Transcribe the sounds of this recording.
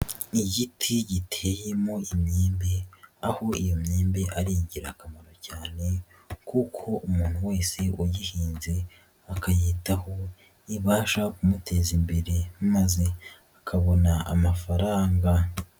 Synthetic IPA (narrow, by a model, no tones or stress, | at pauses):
iɟitʰiɟitʰe̞je̞mo̞imɲeːmbe̞aho̞ijomɲeːmbe̞ʔaɾiɟiɾakamaɾo̞caːne̞ | kukʰo̞ʔumuːn̥huwe̞ːse̞ʔujihiːnze̞ | akajiːtaho̞ | iβaːʃakumute̞zimbe̞ɾe̞maze̞ | akʰaβo̞naa̰mafaɾaːŋɡa